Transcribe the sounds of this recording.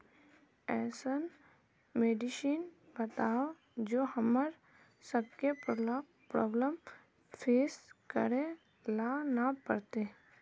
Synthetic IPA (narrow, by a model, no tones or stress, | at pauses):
ɛːsən | meːɖɪʃiːn | bət̪aːo | d͡ʒoːhəməɾ | səb̚kep | pɾɔːbləm | fʰeːskəɾe | lanapəɾt̪e